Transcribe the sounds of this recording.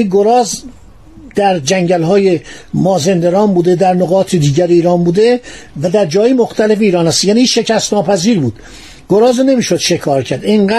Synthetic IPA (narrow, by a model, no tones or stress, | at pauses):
iɡoɾɒːz | d̪̥æɾd͡ʒæŋɟælɦɒːjemɒːzend̪eɾɒːnbuːd̪ed̪æɾnoɣɒːt̪ʰed̪iːɟæɾeiːɾɒːnbuːd̪evæd̪æɾd͡ʒɒːjemoxt̪ʰæle̞feiːɾɒːnæst̪jæːniʃe̞cæst̪nɒːpʰæziːɾbuːd̪̥ | ɡ̥oɾɒːzne̞miːʃod̪̥ʃe̞kʰɒːɾcʰæɾd̪iŋɡæː